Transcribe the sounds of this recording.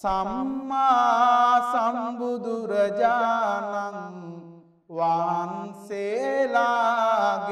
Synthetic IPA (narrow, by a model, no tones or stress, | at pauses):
sɐmːasɐmbud̪uɾɐd͡ʒanɐŋ | ʋanselaɡ